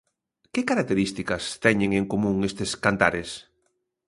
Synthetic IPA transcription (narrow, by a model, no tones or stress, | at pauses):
kekaɾak̚t̪eɾist̪ikɐst̪ɛɲẽŋeŋkomũŋest̪eskant̪a̰ɾes